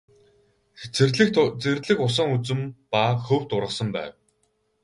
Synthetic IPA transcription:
xt͡srɮɘ̆t͡sert̪ɮɘ̆kʊs̬ə̆ŋut͡sɵ̆mpaxɵw̥t̪ʊɾʁə̆sə̆mpæ̰ːw

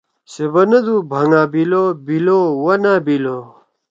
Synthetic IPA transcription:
sebɐnɐd̪ubʱɐŋaːbilobilowɐnaːbilo

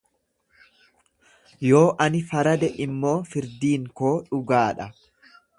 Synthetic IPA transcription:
jo̞ːʔɐnɪfɐɾɐd̪ɛʔɪmːo̞ːfɪɾd̪iːŋkoːᶑʊɡaːᶑɐ

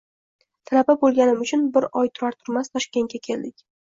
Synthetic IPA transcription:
t̪ʰalapabolˠɡʲanɪmʊt͡ʃʰʊnbɪɾɒjt̪ʰʊɾaɾt̪ʰʊɾmast̪ʰɒʃkʲe̞ŋɡʲakʲʰe̞ld̪ɪkʲ

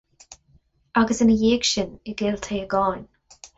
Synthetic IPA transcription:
aɡəsɪnəjeːɡʃɪnɪɡɪːlt̪ʰeːəɡɔːn

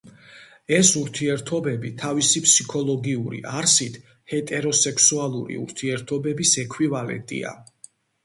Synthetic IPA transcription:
ɛsuɾt̪ʰiɛɾt̪ʰɔbɛbit̪ʰavisipʰsikʰɔlˠɔɡiuɾḭʔaɾsit̪ʰ | hɛt̪ʼɛɾɔsɛkʰsualˠuɾḭṵɾt̪ʰiɛɾt̪ʰɔbɛbisɛkʰwivalɛ̰nt̪ʼḭa̰

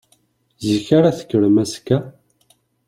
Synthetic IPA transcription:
ziçaɾaθə̥kːəɾmæskæ

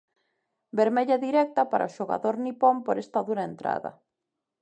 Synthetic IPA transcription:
beɾmeʎɐðiɾɛk̚t̪ɐpaɾɐ̰oʃoɣa̰ðoɾnipompoɾɛst̪aðuɾɐent̪ɾa̰ðɐ̰

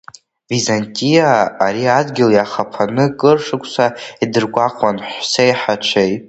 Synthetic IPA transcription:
vizantʼijaːɾiadɡʲɪljaχapʰanɨkʼɨrʂɨkʷʰʼsaidɨrɡʷaqʷʼanħʷsejħat͡ʃʷʰejtʼ

